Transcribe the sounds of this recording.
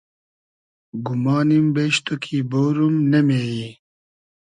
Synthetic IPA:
ɡumaːnimbeːɕt̪okʰiboːɾumnemeːji

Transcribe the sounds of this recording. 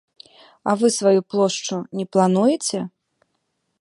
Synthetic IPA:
ɐ̰vɨsvajuplˠɔʂt͡ʂunʲɛplˠan̪ujɛt͡sʲɛ

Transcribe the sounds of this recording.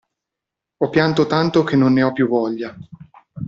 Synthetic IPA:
ɔpːjant̪ot̪ant̪ok̟enːonːeɔpːjuvɔʎːa

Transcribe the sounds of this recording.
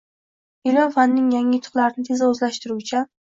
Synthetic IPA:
ɪlɒfanːɪŋjaŋʲɪjʊt̪ʰʊ̥χlˠaɾɪnɪt̪ʰezaɵzlaʃt̪ɪɾut͡ʃʰa

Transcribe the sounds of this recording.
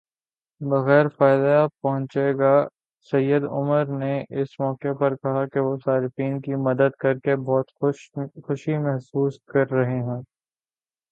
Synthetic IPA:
bɐɣɛːɾfaːɪd̪japɐɦʊ̃nt͡ʃeɡa | sɐjːəd̪ʊ̰məɾneʔɪsmɔːkepɐɾkɐɦakeʋosaːɾɪfiːnkimɐd̪əd̪̚kɐɾkebɔːt̪xʊʃimɛɦsuːskɐɾːɐɦeɦũː

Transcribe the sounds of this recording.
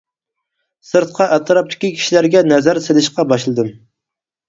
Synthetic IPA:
sɨɾt̪̚qʰɑʔɛt̪ʰɾɑp̚t̪ʰɪ̥kʲikʲʰi̥ʃilæɾɡʲɛnɛzæɾselɪʃqɑbɑʃlˠɨd̪ɨm

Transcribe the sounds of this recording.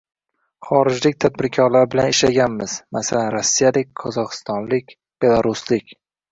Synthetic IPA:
χɒɾɪd͡ʒlɪk̚ʲt̪ʰad̪̚bɪɾkʲʰɒɾlaɾbɪlanɪʃlaɡʲanmɪz̥masalanɾasːijalɪk̚ʲqʰɒzɒqɨ̥st̪ɒnlɪkʲ | b̥e̞lˠaɾuslɪkʲ

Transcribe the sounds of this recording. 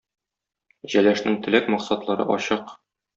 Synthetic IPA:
ʑælæʃnɘŋt̪ɘ̆lækmɒqsɑt̪lˠɑɾɤ̰ʔɒ̰ɕɤq

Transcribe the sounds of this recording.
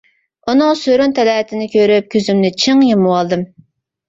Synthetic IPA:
unɨŋsøɾynt̪ʰɛlɛːt̪ʰɪnɪkʲʰøɾyp̚kʲʰøzymnɪt͡ʃʰiŋjemɨwɑlˠd̪ɨm

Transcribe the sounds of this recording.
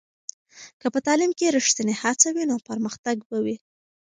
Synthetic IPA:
kəpət̪ɑlɪmkeɾiʂt̪ənehat͡sawinopəɾməxt̪aɡbawi

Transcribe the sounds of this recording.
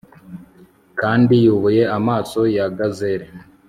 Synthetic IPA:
kaːndijuβuje̞amaːso̞jaɡazeɾe

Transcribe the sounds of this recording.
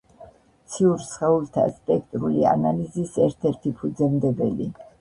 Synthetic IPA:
t̪sʰiuɾsχɛult̪ʰa̰sp̪ʼɛk̚ʰt̪ʼɾulia̰nalizisɛɾt̪ʰɛɾt̪ʰipʰud̪zɛmd̪ɛbɛli

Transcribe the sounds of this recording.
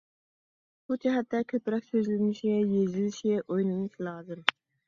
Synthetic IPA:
b̥ud͡ʒɛɦɛt̪ːɛkʲʰøpɾɛkʲsøzlɪnɪʃiɡʲɛjezɪlɪʃiɡʲɛʔojnˠɨnɨʃlˠɑːzɨm

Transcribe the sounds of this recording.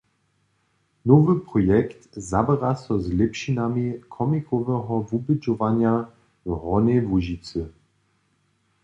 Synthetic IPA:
nɔvəpʁɔjɛkt̪zabɛʁasɔzlɛpʃinamikʰɔmikɔvɛɦɔvubɪd͡ʒɔvanja | ʁɔnevuʒit͡sə

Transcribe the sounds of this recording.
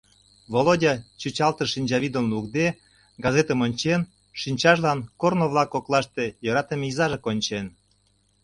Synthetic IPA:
βolodʲɑt͡ɕut͡ɕɑlt̪əʃinʲd͡ʑɑβid̪ənlukd̪e | ɡɑzet̪əmonʲt͡ɕen | ʃinʲt͡ɕɑʃlɑnkornoβlɑkoklɑʃt̪ejøɾɑt̪emizɑʒekonʲt͡ɕen

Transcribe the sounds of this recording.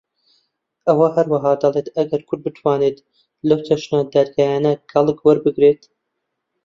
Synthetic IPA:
ʔɐwɐhɐɾwɐɦɑːd̪ɐlˠeːt̪ʰɐɡɐɾkʰʊɾd̪̚bɨt̪ʰwaːneːt̪ | lɐwt͡ʃʰɐʃnad̪aɾɡaːjaːnɐkɐlˠɨkwɐɾbɨɡɾeːt̪

